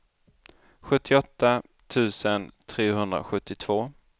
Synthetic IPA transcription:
ɧɵt̪ʰːɪɔt̪ːa | t̪ʰʉ̟ːsənt̪ʰɾeːɦɵnd̪ɾa̰ɧɵt̪ʰːɪt̪ʰv̥oː

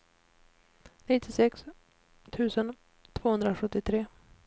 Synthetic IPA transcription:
nɪt̪ːɪsɛks | t̪ʰʉ̟ːsən | t̪ʰv̥oːhɵnd̪ɾaɧɵt̪ːɪt̪ʰɾeː

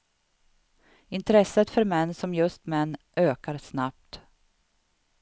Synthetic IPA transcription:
ɪnt̪ɾɛsət̪fœɾmɛnːsɔmjɵst̪mɛnːʔøːkaɾsnap̚t̪

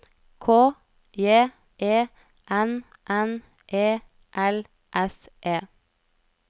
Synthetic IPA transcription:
kʰoː | jeː | ʔeː | ʔɛn | ʔɛn | ʔeː | ʔɛl | ʔɛsʔeː

